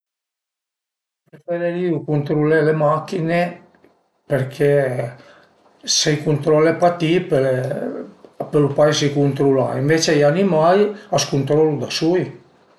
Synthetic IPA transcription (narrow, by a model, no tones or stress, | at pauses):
pɾefeɾeɾiukunt̪ɾulelemakːine | peɾkʰe | sekunt̪ɾɔlepat̪ipe | pelupajsikunt̪ɾula̰iɱvet͡ʃejanimajaskunt̪ɾɔlud̪asuj